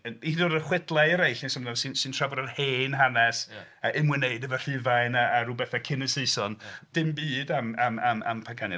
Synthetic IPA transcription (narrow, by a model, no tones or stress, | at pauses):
idodəχwɪdlˠaɾejɬinsɔmlˠasɨnsɨntʰr̥avɔɾənheːnɦanɛsəʔɪmwɪneɨdəvər̥ɪvajnaaɾubɛθakʰɪnəseɨsɔnd̥ɪmbiːdamamama̰mpʰakʰanɨ